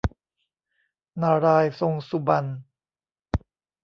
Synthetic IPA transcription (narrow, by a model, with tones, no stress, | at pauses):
naː˧ɾaː˧jso˧ŋsu˧ba˧n